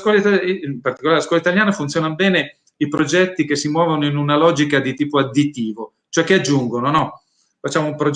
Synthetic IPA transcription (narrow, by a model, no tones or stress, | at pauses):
kwɔlait̪aimpart̪ikolaɾelaskwɔlait̪aljaːnafunt̪sjoɔnanbɛːne | ipɾod͡ʒɛt̪ːik̟esːimwɔːvonoinunalɔːd͡ʒikad̪it̪iːpoad̪ːit̪ːiːvo | t͡ʃoɛkːead͡ʒːuŋɡononɔ | fat͡ʃːaːmoumpɾod͡ʒ